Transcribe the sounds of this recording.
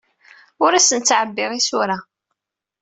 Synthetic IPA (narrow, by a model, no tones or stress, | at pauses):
ʊɾæsənt͡sːʕəbːɪʁisuɾa